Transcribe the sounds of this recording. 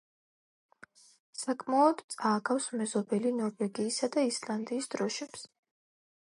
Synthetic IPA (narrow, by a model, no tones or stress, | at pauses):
sakʼmaɔd̪t̪sʼaːɡafsmɛzɔbɛlinɔɾvɛɡiːsad̪aisland̪iːsd̪̥ɾɔʃɛps